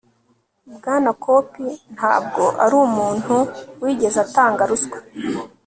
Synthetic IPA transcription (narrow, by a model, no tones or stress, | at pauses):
bɡaːnakʰo̞ːpin̥ha̰ːb̚ɡo̞ʔaɾuːmuːn̥huwiːɟe̞zataːŋɡaɾuskwe̥